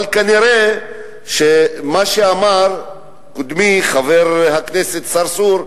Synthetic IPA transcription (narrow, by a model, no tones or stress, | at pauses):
alkaniɾe | ʃemaʃeamaɾ | kod̪miχaveɾhakneset̪saɾsuɾ